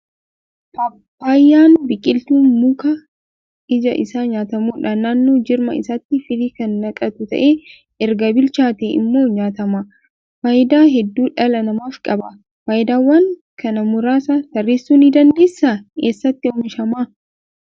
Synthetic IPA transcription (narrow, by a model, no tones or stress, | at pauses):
pɐpːaːjːaːnbɪkʼɪlt̪uːnmʊkɐ | ɪd͡ʒɐ̰ʔɪsaːɲaːt̪ɐmuːᶑɐnaːnːoːd͡ʒɪɾmɐ̰ɪsat̪ːɪfɪliːkɐnːɐkʼɐt̪ʊt̪ɐ̰ʔe | ɛɾɡɐbɪlt͡ʃaːt̪eɪ̰mːo̞ːɲaːt̪ɐma | faːjɪd̪aːɦɛd̪ːuːᶑɐlɐnɐmaːfkʼɐbɐ | faːjɪd̪aːwːɐŋkʰɐnɐmʊɾaːsat̪ɐrːeːsːuːniːd̪ɐnd̪eːsːakeːsːɐt̪ːɪɔmɪʃɐmaː